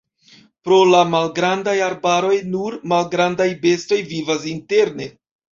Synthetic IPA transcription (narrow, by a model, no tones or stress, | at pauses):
pɾo̞lamalɡɾandajaɾbaɾo̞jnuɾmalɡɾandajbe̞sto̞jvivas̬inte̞ɾne̞